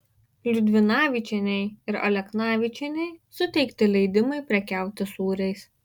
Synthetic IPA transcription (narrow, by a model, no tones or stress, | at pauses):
lʲʊd̪ʲʋʲɪnɑːʋʲɪt͡ʃʲɛnʲɛɪɪɾɐ̰lʲɛknɑːʋʲɪt͡ʃʲɛnʲɛɪsʊt̪ʲɛɪkt̪ʲɪlʲɛɪd̪ʲɪmɐɪpʲɾʲɛkʲæˑʊt̪ʲɪsuːɾʲɛɪs